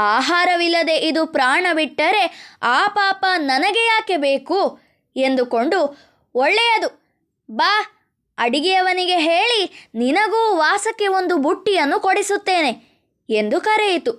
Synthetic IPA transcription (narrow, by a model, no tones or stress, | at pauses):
aːɦaːɾɐʋilːɐd̪e̞ʔid̪upɾaːɳɐbiʈːɐɾe̞aːpaːpɐnɐnɐɡejaːkebeːku | e̞nd̪uko̞ɳɖu | ɔɭːɛjɐd̪u | baː | ɐɽiɡijɐʋɐniɡe̞ɦeːɭininɐɡuːʋaːsɐkːe̞o̞nd̪ubuʈːijɐnːukoɽisut̪ːe̞ːne̞ | e̞nd̪ukɐɾejit̪u